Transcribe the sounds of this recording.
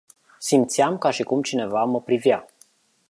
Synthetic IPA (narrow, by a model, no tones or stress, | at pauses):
simt̪siamkaʃikumt͡ʃine̞vaməpɾivja